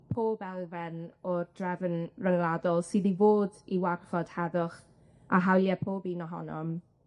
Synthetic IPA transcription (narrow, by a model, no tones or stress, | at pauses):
pʰoːbɛlˠvɛnɔrd̥rɛvənrəŋlˠadɔlˠsɪdivoːdiwarfɔd̥hɛðʊχ | aɦawlˠjɛpʰoːbinɔɦɔ̰nɔm